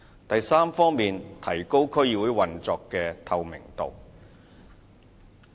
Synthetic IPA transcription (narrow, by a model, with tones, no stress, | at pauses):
t̪ɐ˨jsaː˥mfɔː˥ŋmiː˨nt̪ʰɐ˨˩jko˥wkʰɵ˥ɥjiː˧wuː˨˥jwɐ˨nt͡sɔː˧kːɛː˧t̪ʰɐ˨˧wmɪ̰˨˩ŋt̪o̰˨w